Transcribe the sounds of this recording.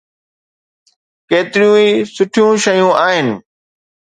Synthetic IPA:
keːt̪ɪɾjũːiːsʊʈʰjũːʃəjũːʔaːɦɪnɪ̆

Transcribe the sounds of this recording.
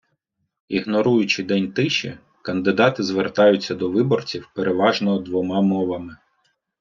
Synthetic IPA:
iɦnɔɾujʊt͡ʃɪd̪ɛnʲt̪ɪʃɛ | kɐnd̪ɪd̪ɑt̪ɪzʋert̪ɑjʊt͡sʲːɐd̪ɔʋɪbɔrt͡sʲiwpeɾʔeʋɑʒnɔɦɔd̪ʋɔmɑmɔʋɐmɪ

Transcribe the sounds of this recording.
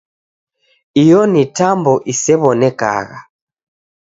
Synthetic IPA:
ijɔnitambɔʔisɛβɔnɛka̰ɣa̰

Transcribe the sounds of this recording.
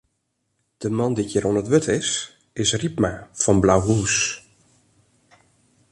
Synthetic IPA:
d̥əmɑndikjəɾonətʋøtʰɪs | ɪsripmafɔnblawɦuːs

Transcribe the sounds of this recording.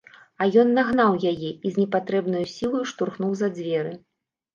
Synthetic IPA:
ɐjɔnːaɣnawjajɛizʲnʲɛpat̪ɾɛbnɐjusʲilˠɐjuʂt̪urxnuwzɐd͡zʲvʲɛɾɨ

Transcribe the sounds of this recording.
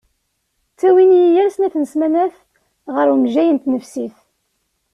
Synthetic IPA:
t͡sːæwinjijæɾsnæθənəsmænæθ | ʁəɾumʒæjənt̪nəfsiθ

